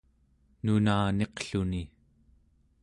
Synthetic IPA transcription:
nunaːne̞qɬuni

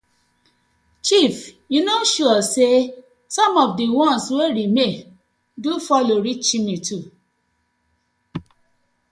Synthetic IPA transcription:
t͡ʃifjunoʃuɔse | sɔ̃mɔfdiwɔ̃nsweɾime | dufɔloɾit͡ʃimĩtu

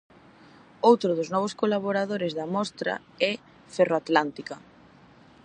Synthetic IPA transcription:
owt̪ɾʊðʊznɔβ̞ʊskolaβ̞oɾaðoɾɪzðamɔst̪ɾa̰ | ɛ | feroat̪lant̪ika

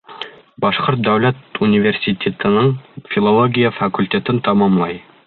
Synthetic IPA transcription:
bɒʃqoɾt̪̚d̪æwlæt̪unʲivʲersʲit̪ʲet̪ɤ̆nɤɴfʲilˠolˠoɡʲijafɐkulʲtʲet̪ɘnt̪ɑmɑmlˠɑj

